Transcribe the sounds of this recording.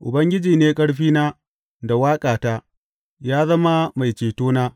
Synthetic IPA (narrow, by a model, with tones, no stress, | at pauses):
ʔʊ˨bɐ˦ŋɡʲɪ˦d͡ʒiː˨neː˦kʼɐ˦ɽɸiː˦naː˦ | da˨waː˦kʼaː˨taː˦ | jaː˦zɐ˦ma˦ma˨jt͡ʃeː˨toː˦naː˦